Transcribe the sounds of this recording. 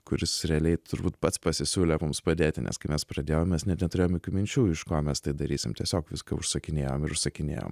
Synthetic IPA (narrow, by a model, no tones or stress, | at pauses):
kʊɾʲɪsɾʲɛɐlʲɛɪt̪ʊɾbuːt̪pɐt̪spɐsʲɪsʲuːlʲɛmʊmspɐd̪ʲeːt̪ʲɪnʲʔɛ̰skɐɪmɛspɾɐd̪ʲeːjoːmmʲɛsnʲɛt̪nʲɛt̪ʊɾʲeːjomjoːkʲuːmʲɪnʲt͡ʃʲuːɪʃkoːmʲɛst̪ɐɪd̪ɐɾʲiːsʲɪmt̪ʲiɛsʲoːkʋʲɪskɐʊʃsɐkʲɪnʲeːjo̰ːmɪɾʊʃsɐkʲɪnʲḛːjo̰ːm